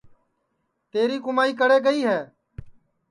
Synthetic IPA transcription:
t̪eːɾiːkʊmaːiːk̬əɽeːɡəiːɦɛː

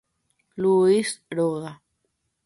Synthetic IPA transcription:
luisɾoɣa

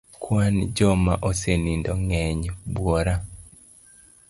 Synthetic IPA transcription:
kwand͡ʒɔmaʔosenindɔŋɛɲbwɔɾa

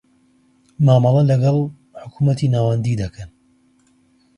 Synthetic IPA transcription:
maːmɑlˠɐlɐɡɑlˠ | ħʊkumɐt̪inaːwɐnd̪id̪ɐkʰɐn

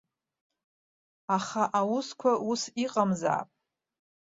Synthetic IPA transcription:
aχaʔawʊskʷʰausiqʼamza̰ːpʼ

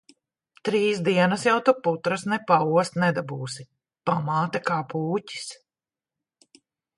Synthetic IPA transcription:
t̪ɾiːsd̪iɛnɐsjawt̪uput̪ɾɐsnɛpauɔst̪nɛd̪abuːsi | pamaːt̪akaːpuːci̥s

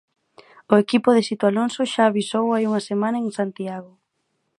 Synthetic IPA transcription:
ʊekipʊðesit̪oalonsʊʃaːβisowajuŋɐsemãnɐeŋsant̪iaɣ̞ʊ

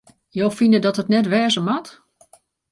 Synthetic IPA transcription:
joːfinədɔtətnɛtʋɛːzəmat

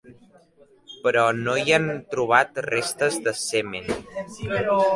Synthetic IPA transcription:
pɾɔnoiant̪ɾuβ̞at̪rest̪əzðəseme

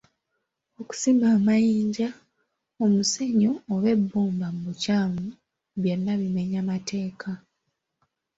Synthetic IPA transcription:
o̞ku̥siːmbaːmajiːɲɟa | omuse̞ɲoːβe̞bːoːmbamuβucaːmu | βje̞nːaβime̞ɲamatʰe̞ːkʰa

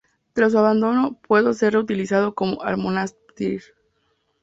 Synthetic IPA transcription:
t̪ɾas̬uaβand̪o̞no̞pwe̞ðo̞se̞rreut̪ilisað̞o̞ko̞mo̞ʔa̰ɾmonas | t̪iɾ

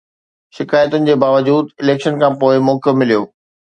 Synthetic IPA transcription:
ʃɪkaːjət̪ʊnɪ̆d͡ʑeːbaːʋəd͡ʑuːd̪ɪleːkʃənkʰãːpoːɪmoːkʰjomɪlijoː

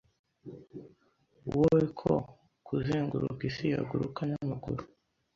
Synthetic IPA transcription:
uwowekʰo | kʰuziːŋɡuɾṵkisija̰ɡuɾukaɲamaɡṵɾu

